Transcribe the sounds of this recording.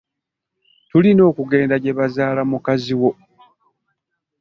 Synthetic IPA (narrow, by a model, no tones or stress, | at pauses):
tulino̞ːkuɡe̞ːndaɟe̞βazaːlamukaziwo̞